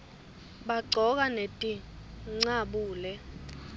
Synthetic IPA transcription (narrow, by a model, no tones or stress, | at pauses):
ɓaɡ͡ǀʱɔk̬anetʼiŋ͡ǀaɓuːlɛ